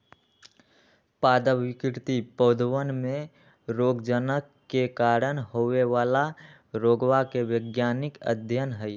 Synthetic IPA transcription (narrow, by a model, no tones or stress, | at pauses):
paːd̪əʋɪkɾt̪ipəːd̪ʱwənmẽ | ɾoːɡd͡ʒənəkːekaːɾənhoeʋaːla | ɾoːɡwakeʋəɡjaːnɪkə̰d̪ʱjənɦɛi